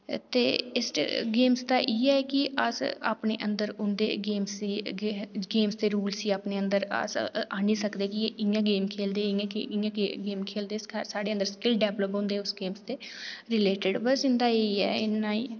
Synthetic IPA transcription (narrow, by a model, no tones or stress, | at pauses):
t̪ḛːɪsʈɡeːmst̪aːʔiːɛːkɪə̰sa̰ːpɳḛːʔənd̪əɾʊnd̪ḛːɡeːmsiː | ɡeːmst̪eːɾuːlsiːaːpneːənd̪əɾə̰saːniːsəkd̪eːkɪeʔɪ̃ãːɡeːmkʰeːld̪eːɪãɪãːɡeːmkʰeːld̪eːsʰsaːɽeːənd̪əɾskɪlɖɛːʋləpɦõnd̪eːʊsɡeːmst̪eːɾɪleːʈəɖbəɾsɪ̃nd̪aːeːiːɛ̰ːɪnːaːiː